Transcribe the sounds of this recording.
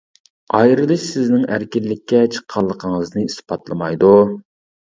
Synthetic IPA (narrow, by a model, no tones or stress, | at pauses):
ɑjɾɨlˠɨʃsɪznɪŋæɾkʲinːɪkʲʰːɛt͡ʃʰə̥qʰːɑlˠːəqʰəŋəznɨispɑt̪lˠɨmɑjd̪u